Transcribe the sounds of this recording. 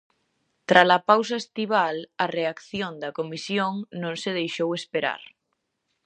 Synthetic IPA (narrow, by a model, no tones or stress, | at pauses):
t̪ɾalapaws̬aest̪iβ̞alɐreakθjõnd̪ɐkomisjoŋnõŋseðejʃowespeɾa̰ɾ